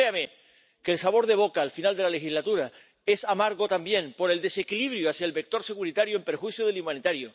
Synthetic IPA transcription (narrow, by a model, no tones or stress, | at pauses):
ɾeame | keːlsaβ̞oɾðe̞β̞o̞kaːlfinald̪e̞lalexizlat̪uɾa | e̞samaɾɣo̞t̪ambje̞ŋpo̞ɾe̞ld̪e̞se̞kiliβɾjoasjaelβe̞k̚t̪o̞ɾse̞ɣuɾit̪aɾjoe̞mpeɾxwiθjoðe̞limãnit̪aɾjo